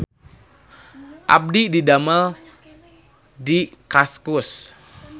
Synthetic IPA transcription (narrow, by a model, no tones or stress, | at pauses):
ʔa̰b̚dididamal | dikaskʊs